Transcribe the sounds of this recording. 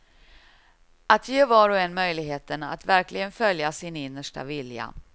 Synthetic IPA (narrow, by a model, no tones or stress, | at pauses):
at̪ʰjeːvɑːɾɔɛnmœjlɪɡɦeːt̪əna̰t̪væɾklɪɡənfœljasɪnɪnːəʂʈa̰vɪlja̰